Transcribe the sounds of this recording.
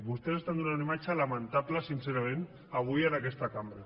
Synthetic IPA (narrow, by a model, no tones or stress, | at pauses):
bust̪esest̪and̪unaunemajt͡ʃalamant̪aplasinseɾoen | aɣujaðakest̪akambɾe